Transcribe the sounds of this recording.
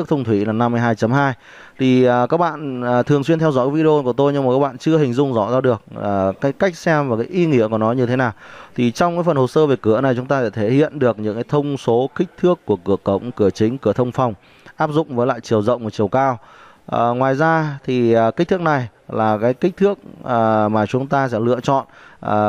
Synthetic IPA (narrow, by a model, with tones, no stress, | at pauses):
t̪ʰə˧wŋ͡mt̪ʰwi˧˩laː˨˩na˧mː˧əjɦaː˧jt͡ɕə˨˦mɦaː˧j | t̪ʰi˨˩˨kaː˦˥k̚ɓa̰ː˧˨n˨˩t̪ʰɨ˨˩əŋswi˧nt̪ʰɛ˧wzɔ̰˧˥jkːvi˧e˧o˧ku˧˩ət̪o˧jɲɨ˧ŋm˨˩kaː˦˥ɓa̰ː˧˨t͡ɕɨ˧əhï̟˨˩zʊ˧ŋ͡mzɔ̰˧˩zaː˧ɗɨ˨˩ək̚ːkaː˨˦jka˦˥k̟̚sɛ˧mvaː˨˩kaː˨˦jʔi˧ŋḭ˧˥əku˧˩nɔ˨˦ɲɨ˧t̪ʰe˨˦naː˨˩wt̪ʰi˨˩t͡ɕɔ˧wŋ͡mkaː˨˦jfə˨˩nho˨˩səː˧ve˨˩kɨ˧˩əna˨˩jt͡ɕʊ˨˦ŋ͡mt̪aː˧a̰˧˩t̪ʰe˧˩hḭ˧˨ənɗɨ˨˩ək̚ɲɨ̰˧˥ŋkaː˨˦jt̪ʰə˧wŋ͡mso˨˦kï˦˥k̟̚t̪ʰɨ˦˥əkːu˧˩əkɨ˧˩əkə̰˧˨wŋ͡mkɨ˧˩ət͡ɕï˨˦ŋ̟kɨ˧˩ət̪ʰə˧wŋ͡mfɔ˨˩wŋ͡m | ʔaː˦˥p̚zʊ̰˧˨ŋ͡mvəː˨˦jla̰ː˧˨jt͡ɕi˨˩əwzə̰˧˨wŋ͡mm˨˩t͡ɕi˨˩əwkaː˧w | ŋwaː˨˩jzaː˧t̪ʰi˨˩˨ki̟˦˥t̪ʰɨ˦˥ək̚na˨˩j | laː˨˩kaː˨˦jkk̟̚t̪ʰɨ˦˥ək̚ːmaː˨˩t͡ɕʊ˨˦ŋ͡mt̪aː˧sɛ̰˧˥lɨ̰˧ət͡ɕɔ̰˧˨n˩